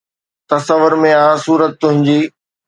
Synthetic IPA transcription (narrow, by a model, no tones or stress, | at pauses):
t̪ɐsəʋʊɾmẽaːsuːɾət̪̚ːʊɦɪ̃ɲd͡ʑiː